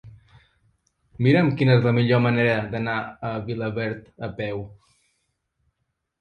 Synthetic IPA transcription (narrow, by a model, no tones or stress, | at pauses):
miɾəmkinəɛzləmiʎoməneɾəd̪ənaəβiləβɛɾt̪əpɛw